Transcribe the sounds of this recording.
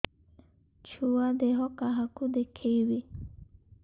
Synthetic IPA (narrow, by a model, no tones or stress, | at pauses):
t͡ʃʰuad̪eɦɔkaɦakud̪ekʰejwe